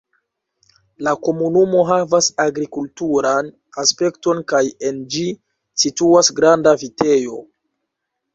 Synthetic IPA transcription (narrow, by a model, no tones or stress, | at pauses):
lako̞munumo̞ɦavasaɡɾikultuɾan | aspe̞kto̞nkaje̞nd͡ʒi | situasɡɾandavite̞jo̞